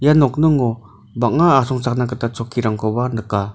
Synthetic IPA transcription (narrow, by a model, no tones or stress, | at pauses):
janɔk̚nɯŋɔ | bak̚ŋaːsɔŋt͡sak̚nak̬ət̪at͡sɔkʰːiɾaŋkʰɔbanɯka